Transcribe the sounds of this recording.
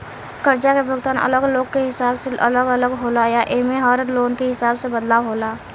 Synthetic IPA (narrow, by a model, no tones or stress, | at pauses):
kəɾd͡ʒakebʱʊɡt̪aːnə̰ləɡloːɡ̚keɦɪsaːbseʔə̰ləɡələɡɦoːlajaʔemẽɦɔːɾəloːnkeɦɪsaːbsebəd̪laːʋɦoːlaː